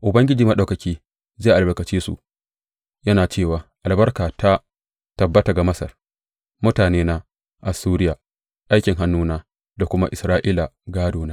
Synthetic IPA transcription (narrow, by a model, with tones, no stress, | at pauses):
ʔʊ˨bɐ˦ŋɡʲɪ˦d͡ʒiː˨mɐ˦ɗa˨wkɐ˨kʲiː˦ | zaː˦˨ʔbɐ˨kɐ˨t͡ʃiː˦sṵ˨ | jɐ˦naː˨t͡ʃeː˦˨waː˨ʔa˨lbɐ˦rkaː˨ta˦ | tɐ˨bːɐ˦ta˨ɡa˨mɐ˦sɐ̰˨r | mʊ˦taː˨neː˦na˦ | ʔa˨suː˦ɾɪ˦jaː˨ | ʔa˦jkʲɪ˨ŋɦa˦nːuː˦naː˦ | da˨kʷʊ˦ma˦ʔɪ˨sɾaː˦ʔi˦la˨ɡaː˦doː˨naː˦